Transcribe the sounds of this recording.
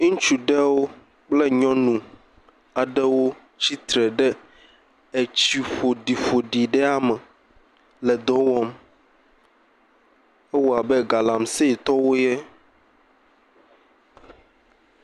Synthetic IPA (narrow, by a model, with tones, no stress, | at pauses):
ŋũ˦t͡ʃu˨ɖɛ˦wo˦ | k͡plɛ˦ɲɔ̃˦nũ˨ | a˨ɖɛ˦wo˦ | t͡ɕi˦t̪ɾɛ˨ɖɛ˦ | ɛ˨t͡ɕi˨ɸo˨ɖi˨ɸo˨ɖi˨ɖɛ˦a˦mɛ˨ | lɛ˨d̪ɔ̃˦wɔ˦m | ɛ˦wɔ˨a˨bɛ˦ɡa˨la˨msɛ˦i˨t̪ɔ˦wo˦jɛ˦